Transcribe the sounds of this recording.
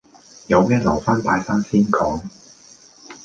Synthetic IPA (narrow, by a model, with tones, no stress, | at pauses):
jɐ˨˧wmɛː˥lɐ̰˨˩wfaː˥np̪aː˨˧jsaː˥nsiː˥nkʰɔː˨˥ŋ